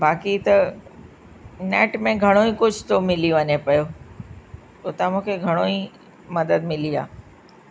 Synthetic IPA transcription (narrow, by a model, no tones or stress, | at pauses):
bʱaːkit̪ɐ | neːʈmẽɡʱɐɽ̃oĩkʊd͡ʑʱt̪omɪlijõʋɐɲepɐjo | ʊt̪ãmũːkʰeɡʱɐɽ̃oĩ | mɐd̪əd̪mɪlia̰ː